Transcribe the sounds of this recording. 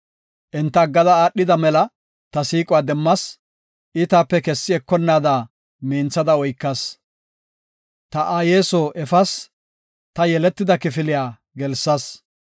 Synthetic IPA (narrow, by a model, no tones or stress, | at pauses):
ʔɛnt̪ːɐɡːɐd̪ɐaːɗːɪd̪ɐmɛlɐ | t̪ɐsiːkʼʊwaːd̪ɛmːɐs | ʔɪt̪aːpːɛkɛsːɪɛkːɔnːaːd̪aː | miːnt͡sːɐd̪ɐɔjkːɐs | t̪ɐʔaːjeːsoːʔɛfɐs | t̪ɐjɛlɛt̪ːɪd̪ɐkɪfɪlɪjaː | ɡɛlsːɐs